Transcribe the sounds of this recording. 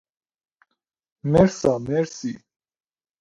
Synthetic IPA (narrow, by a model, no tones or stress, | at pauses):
mɛɾsamɛɾsi